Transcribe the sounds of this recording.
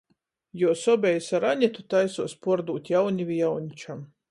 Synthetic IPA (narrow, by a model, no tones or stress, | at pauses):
jɔɔsɔbʲɛjsaɾaɲʲɛt̪ut̪ajsuɔspɔɾd̪uːt̪ʲjawnʲivʲijawnʲit͡ʃam